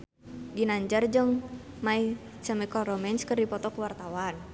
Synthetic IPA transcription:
ɡinaɲd͡ʒərd͡ʒəŋ | mai | t͡ʃamikɔɾɔmɛnskərdipɔt̪ɔkəwart̪awan

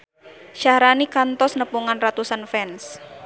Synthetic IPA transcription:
ʃahɾanikant̪ɔsnəpuŋanrat̪usanfɛns

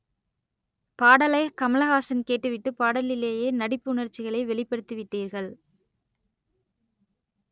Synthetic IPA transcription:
paːɽɐlɐɪkɐmɐlɐɣaːsɐnkeːʈːɯʋɪʈːɯpaːɽɐlɪleːjeːnɐɽɪpːɯʊnɐɾt͡ʃːɪɣɐɭɐɪʋɛɭɪpːɐɽɯt̪ːɯʋɪʈːiːɾɣɐɭ

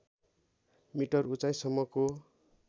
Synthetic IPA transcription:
miʈʌrut͡sajsʌmːʌko

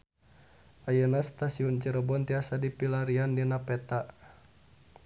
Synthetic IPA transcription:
ʔajənast̪asiunt͡ʃəɾəbɔnt̪iasadipilaɾiandinapɛt̪a

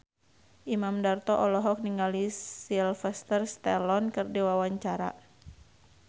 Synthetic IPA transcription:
ʔimamdart̪ɔʔɔlɔɦɔk̚niŋalisilfɛst̪ərst̪ɛlɔnkɨrdiwawaɲt͡ʃaɾa̰

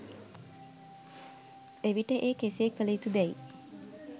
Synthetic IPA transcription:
eʋiʈəʔeːkeseːkələit̪ud̪ɛi

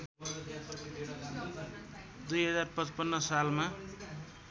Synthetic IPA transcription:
d̪ujɦʌd͡zarpʌt͡spʌnːʌsalma

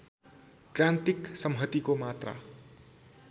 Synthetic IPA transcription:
krant̪iksʌmɦʌt̪ikomat̪ra̰

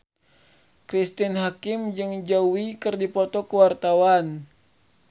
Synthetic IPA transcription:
kɾist̪inɦakimd͡ʒɨŋd͡ʒawikɨrdipɔt̪ɔkuwart̪awan

